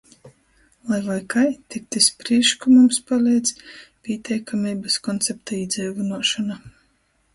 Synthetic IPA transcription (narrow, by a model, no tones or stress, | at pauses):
lˠajvajkajt̪ʲik̚t̪ispɾiɛʃkumumspalʲɛjd̪zpʲiɛt̪ʲʰɛjkamʲiːbaskɔnt̪sɛp̚t̪aiːd̪zʲɛjvunuɔʃɔna